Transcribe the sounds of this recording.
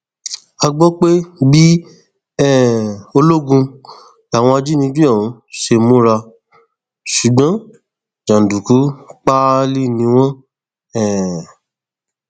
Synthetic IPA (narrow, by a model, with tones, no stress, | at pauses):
a˧ɡ͡bɔ˦k͡pe˦bi˦ | ɛ˦˨o˧lo˦ɡũ˧ | la˨w̃ɔ̃˧a˧d͡ʒi˦nĩ˧˦d͡ʒi˦ɔ˦˨ũ˨˦ʃe˧mũ˦ɾa˧ | ʃu˨ɡ͡bã˨˦ | d͡ʒã˨n˨du˨ku˨˦k͡pa˦li˦˨nĩ˧˦w̃ɔ̃˦ | ɛ˦˨